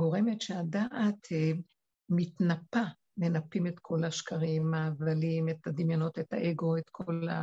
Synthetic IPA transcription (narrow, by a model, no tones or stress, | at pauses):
ɡo̞ʁe̞metʃeadaʔat̪e | mitnapa | me̞napime̞t̪kʰo̞laʃkʰaʁimːavalimet̪ad̪imjono̞tetaʔeɡo̞etkʰola̰